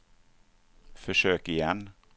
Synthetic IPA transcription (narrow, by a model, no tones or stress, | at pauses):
fœʃøːkɪjɛn